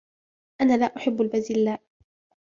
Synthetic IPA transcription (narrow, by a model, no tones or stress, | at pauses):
ʔanaːlaːʔʊħɪbːalbazɪlːaːʔ